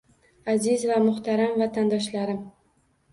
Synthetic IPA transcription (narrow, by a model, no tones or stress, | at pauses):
azɪzvamʊχt̪ʰaɾamvat̪ʰand̪ɒʃlaɾɪm